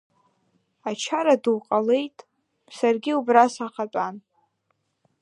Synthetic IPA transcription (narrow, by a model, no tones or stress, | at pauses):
at͡ʃʰaɾaduwqʼale̞jtʼ | sarɡʲiubrasaqat͡pʼan